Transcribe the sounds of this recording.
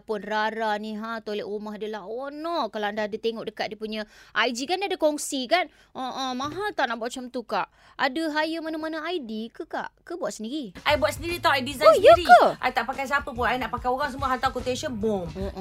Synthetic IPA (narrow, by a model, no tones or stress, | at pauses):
pʊnraɾanĩɦãt̪olɛʔumaɦadəlaɦonɔkalaəndahadat̪eŋɔʔdəkat̪̚diəpuɲaʔajd͡ʒikandiadəkɔŋsikanəʔə̃mãɦat̪aʔnaʔbuat̪̚t͡ʃəmt̪ukaʔ | adəɦajəmanamanaajdikəka̰ʔkəbuat̪̚səndiɾiʔajbuat̪səndiɾit̪awajdiszãjojəɾikəʔa̰jt̪aʔpakajs̬apəp̬ʊnajnaʔpakajoɾaŋs̬əmuaɦant̪awkut̪eʃənbomoʔ